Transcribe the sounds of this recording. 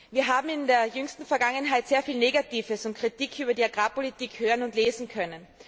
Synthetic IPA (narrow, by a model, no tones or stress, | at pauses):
viːɐɦaːbm̩ɪndeːɐjʏŋstn̩fɛɐɡaŋənɦaɪtseːɐfiːlneːɡatiːfəsʊnt̚kʁ̥itiːkʰyːbɐdiːaɡʁaːpolitiːkhøːʁənʊntleːzn̩kʰœnən